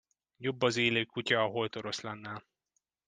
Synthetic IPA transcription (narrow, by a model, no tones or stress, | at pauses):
jo̞bːɒzeːløːkːucɒːɦo̞jt̪oɾo̞slɛnːɛl